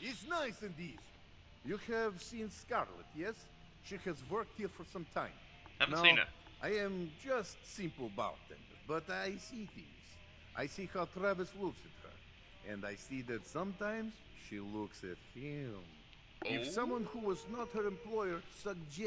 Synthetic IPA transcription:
ɪtsnaɪsɨ̃ndiz | jɨhɨv̥sĩnskɑɹlˠə̰t̚jɛs | ʃihɨzwɜ˞k̚t̚hiɹfə˞sʌ̃mtʰãɪ̃m | anaḭ | ʔaɪɨ̃md͡ʒʌstsɪ̃mpl̩ˠba̰ʊt̪̚ðɨ̰̃n | bʌɾaɪsiθɪ̰̃ŋz̥ | ʔa̰ɪsihaʊt̪ɹævɨslʊksɨt̚hə̰˞ | ʔɨ̰̃ndaɪsiðɨtsʌ̃mtãɪ̃mz̥ | ʃilʊksɨ̰t̚hɪ̃m | ɪfsʌ̃mwʌ̃nhuwʌznət̚hə˞ɨ̃mpʰl̥ɔɪə˞sʌɡ̚d͡ʒɛ

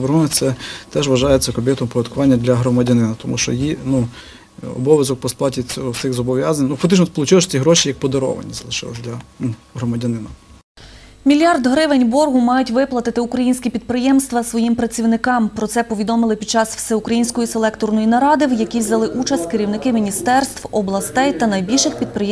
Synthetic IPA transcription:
ʋeɾɦunɛt̪sɛt̪ɛʒʋɐʒɑjet͡sʲːɐkɔbʲɪt̪ɔmpɔʋʲjʲɐd̪kʊʋɑnʲːɐd̪lʲɐɦɾɔmɐdʲɐnɪnɐt̪ɔmṵʃt͡ʃɔ̰jinu | ɔ̰bɔʋʲjɐzɔk̚pɔsplˠɑtʲit͡sʲɔʊsɪxzɔbɔʋʲjazɐnʲnufɐkt̪ɪt͡ʃnɔspɔlˠʊt͡ʃɪlˠʃt͡sʲiɦɾɔʃijɐk̚pɔd̪ɔɾɔ̰ʋɐ̰nʲːizɐlˠɪʃɪ̰lˠɐ̰sʲd̪lʲɐnuɦɾɔmɐdʲɐnɪnɐ | mʲilʲjɑrd̪ɦɾɪʋenʲbɔrɦʊmɑjʊtʲʋɪplˠɐt̪ɪt̪ɪukɾɐjinʲsʲkʲɛpʲid̪̚pɾɪjɛmst̪ʋɐsʋɔjimpɾɐt͡sʲiwnɪkɑmpɾɔtsɛpɔʋʲid̪ɔmɪlˠɪpʲid̪̚t͡ʃɑswsɛʊkɾɐjinʲsʲkɔjiselˠɛkt̪ɔrnɔjinɐɾɑd̪ɪwjɐkʲiʋzɐlˠɪʔut͡ʃɐsʲt̪ʲkɪɾʲiwnɪkɪmʲinʲist̪ɛrst̪ʋɔblˠɐst̪ɛjt̪ɐnɐjbʲilʲʃɪxpʲid̪̚pɾɪjɛ

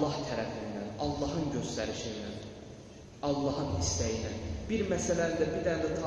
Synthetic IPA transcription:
ɑht̪ʰæɾæfind̪ænɑlˠːɑɦɯnɟø̞st̪æɾiʃind̪æn | ɑlˠːɑɦɯnist̪æjinænbiɾmæsælæd̪æbiɾd̪ænd̪æt̪ʰɑ

